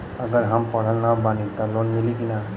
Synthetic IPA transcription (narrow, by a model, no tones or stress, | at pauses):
əɡəɾɦampəɽ̤əlnabanit̪alɔnmilikina